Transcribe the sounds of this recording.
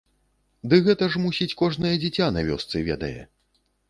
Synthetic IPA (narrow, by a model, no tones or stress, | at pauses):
d̪ɨɣɛt̪ɐʐmusʲit͡sʲkɔʐnɐjɛd͡zʲit͡sʲanavʲɔ̰st̪sɨvʲɛ̰d̪ɐ̰jɛ̰